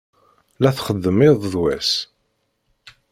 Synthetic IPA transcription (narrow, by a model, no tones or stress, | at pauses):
læθχəd̪ːəmɪðˤðwæs